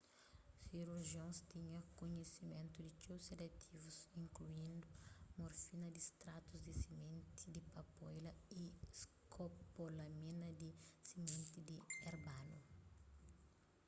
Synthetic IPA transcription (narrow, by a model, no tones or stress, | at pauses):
siɾuɾʒiõnst̪iɲɐkoɲesimẽnt̪ud̪ɪt͡ʃewselekt̪ʰivusĩŋkluĩnd̪ʊmoɾfinɐd̪ist̪ɾat̪uzd̪isimẽnt̪id̪ipɐpɔjlɐiskopolɐminɐd̪isimẽnt̪id̪ieɾbanu